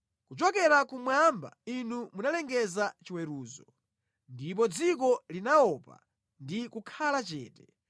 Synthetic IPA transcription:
kut͡ʃɔkɛɾakumwamba̰inumunalɛŋɡɛzat͡ʃiwɛɾuːzɔ | ndip̬ɔd͡zikɔlinaɔpa̰ | ndikukʰalat͡ʃɛ̰ːtɛ

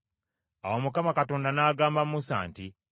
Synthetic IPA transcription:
awomukamakato̞ːndanaːɡaːmbamusa̰ːnti

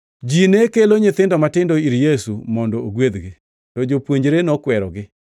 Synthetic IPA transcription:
d͡ʒinekeloɲɪt̪ɪndɔmatɪndɔiɾjesumɔndɔoɡwed̪ɡɪ | tɔd͡ʒopwoɲd͡ʒɾenɔkwɛɾɔɡɪ

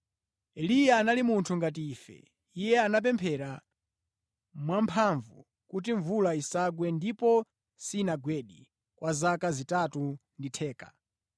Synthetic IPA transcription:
ɛlijaːnalimuntʰuŋɡat̬iːfɛ̰ | ijɛanap̬ɛmpʰɛɾa | mwampʰaɱvṵ | kut̬iɱvulaisaɡwɛndipɔ | sinaɡwɛɗi | kwʔazakazitatunditʰɛːkḁ

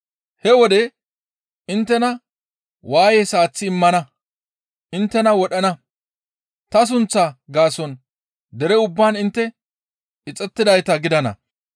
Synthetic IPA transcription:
hɛwɔd̪ɛ | ɪnt̪ːɛnɐ | waːjɛsaːt͡sːɪːmːɐnɐ | ʔɪnt̪ːɛnɐwɔɗɐnɐ | t̪ɐs̬ʊnt͡sːaːɡaːsɔn | d̪ɛɾɛʊbːaːnɪnt̪ːɛ | ɪt͡sʼːɛt̪ːɪd̪ɐjt̪ɐɡɪd̪ɐnɐ̰

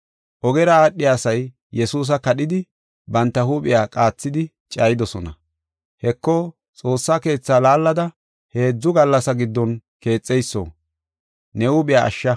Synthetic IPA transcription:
ʔɔɡɛɾɐaːɗːɪjaːsɐj | jɛsuːs̬ɐkɐɗɪd̪ɪ | bɐnt̪ːɐhuːɓʼɪjaːkʼaːt͡sːɪd̪ɪ | t͡ʃʼɐːjɪd̪ɔsɔnɐ | hɛkːɔ | t͡sʼo̞ːsːaːke̞ːt͡sːaːlaːlːɐd̪ɐ | he̞ːd͡zːʊɡɐlːɐsɐɡɪd̪ːɔnke̞ːt͡sʼːɛjsːo̰ː | nɛhuːɓɪjaːɐ̰ʃːɐ

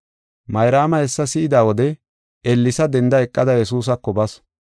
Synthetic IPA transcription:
mɐjɾaːmɐhɛsːɐsɪʔɪd̪aːwɔd̪ɛ | ɛlːɪsɐd̪ɛnd̪ɐɛkʼːɐd̪ɐjɛsuːs̬ɐkːɔbɐs

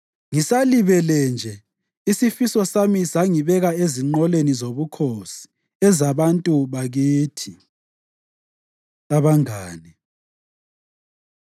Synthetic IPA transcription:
ŋisaliβɛlɛnd͡ʒʱɛ | isifisɔsamisaŋiβɛɣaeziŋ͡ǃɔlenizoβukʰosi̥ | ɛzaβantʼuβaɣiːtʰi | aβaŋaːni

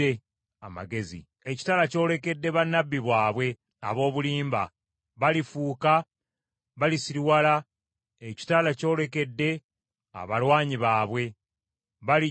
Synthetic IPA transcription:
e | ama̰ɡe̞zḭ | eci̥taːlaco̞ːle̞ke̞dːe̞βanːabːiβwaːβwe̞ | a̰βo̞ːβuliːmba̰ | βalifuːka | βalisiɾwala | eci̥taːlaco̞ːle̞ke̞dːe̞ | a̰βalwaːɲiβaːβwe̞ | βali

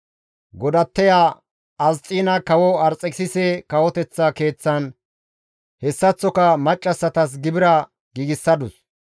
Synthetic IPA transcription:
ɡɔd̪ɐt̪ːɛjaː | ɐzt͡sʼiːnɐkɐwɔɐɾt͡sʼːɛksɪsɛkɐwɔt̪ɛt͡sːɐke̞ːt͡sːɐn | hɛsːɐt͡sːɔkɐmɐt͡ʃʼːɐsːɐt̪ɐs̬ɡɪbɪɾɐ | ɡiːɡɪsːɐd̪ʊs

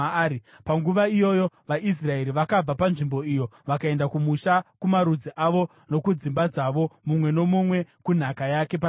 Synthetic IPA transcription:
i | paŋɡuʋaijo̞jo̞ʋaʔis̬rae̞ɾiʋakab͡vapanʐimbo̞ijo̞ʋakae̞ndakumuʃakumaɾud͡ziʔaʋo̞ | no̞kud͡zimbad͡zaʋo̞mumwe̞no̞mumwe̞kun̤akajake̞pa

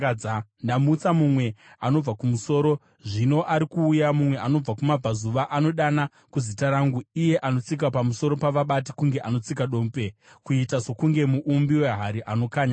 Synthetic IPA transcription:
ndamuːt͡samumwe̞ano̞b͡vakumuso̞ːɾo̞ | ʐino̞ʔaɾikuːjamumwe̞ʔano̞b͡vakumab͡vazuʋaʔano̞ɗana | kuzitaɾaːŋɡuije̞ʔano̞t͡sik̬apamuso̞ɾo̞paʋaɓati̥kuŋɡe̞ʔano̞t͡sikaɗo̞ːmpe̞kuitazo̞kuŋɡe̞muʔumbiwe̞ɦaɾiʔano̞kaːɲa

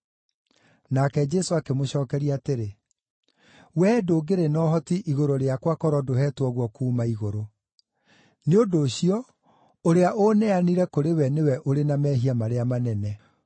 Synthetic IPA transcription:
nakɛd͡ʒɛsoakemoɕɔːkɛɾiateɾe | wɛdoːɡeɾenɔɦɔtiʔiɣoɾoɾeakwakɔɾɔdoɦɛːtwɔɣwɔkuːmaiɣoɾo | neodoːɕiɔ | oɾeaʔonɛaniɾɛkoɾewɛnewɛʔoɾenamɛɦiamaɾeamanɛnɛ

